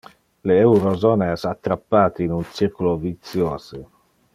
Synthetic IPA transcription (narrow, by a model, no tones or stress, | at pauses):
leewɾozoːneɛsat̪ːɾapːaːt̪iinunt͡siɾkulovit̪sjoːze